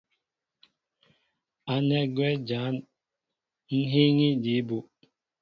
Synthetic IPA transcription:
a˨nɛ˦ɡwɛ˦d͡ʒa˨˦n | n̩˦ɦi˦ŋi˦di˨˦bu˨

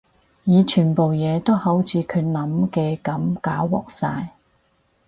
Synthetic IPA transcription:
jiː˨˧t͡ʃʰyː˨˩npo˨wjɛː˨˧t̪o˥who˨˥wt͡sʰiː˨˧˥kʰɵ˨˧ɥnɐ˨˥mkɛː˧kɐ˨˥mkaː˨˥wwɔ̰ː˨k̚saː˧j

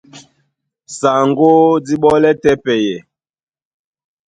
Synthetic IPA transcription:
sa˨ŋɡo˦di˦ɓɔ˦lɛ˦tɛ˦pɛ˨jɛ˨

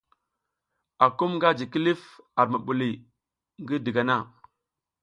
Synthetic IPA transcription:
a˨ku˦mŋɡa˦d͡ʒi˨ki˦li˦fa˨ɾma˨ɓu˨li˨ | ŋɡi˦di˨ɡa˨na˦˨

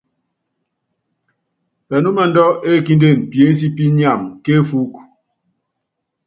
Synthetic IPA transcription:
pɛ˨nu˦mɛ˨n̩˦dɔ˦e˦˨ki˦n˦de˦˨m̩˨pje˨˦n̩˦s̬i˦pi˦ɲa˦˨mke˦fu˦k

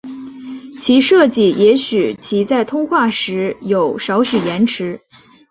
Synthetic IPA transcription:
t͡ɕʰi˧˥ʂɤ˥˧t͡ɕi˥˩jʔɛ˧˥ɕy˨˩t͡ɕʰi˧˥t͡sa˥˩ɪt̪ʰʊ˥ŋxwa˥˩ʂɻ̩˧˥jo˨˩ʊʂɑ˧˥ʊɕy˨˩jɛ˧˥nʈ͡ʂʰɻ̩˧˥

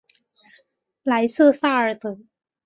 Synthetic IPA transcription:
la˨˩˥jsɯ˥saː˥ə˨˩t̪ʰɯ˨˩

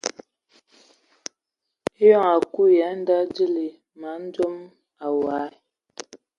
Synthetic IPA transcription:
e˦jɔ˦˨ŋa˨ku˦ja˨˦n˦da˦di˦li˨ | ma˨˦n̩˦d͡ʒo˦m | a˨wa˨˦˨

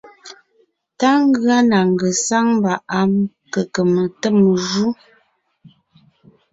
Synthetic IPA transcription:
ta˦ŋ˦ɡɰa˦na˨ŋ˨ɡə˨sa˦ŋm˦ba˨ʔa˦m | kə˨kə˨mə˨tə˦˨m˨ʒu˦

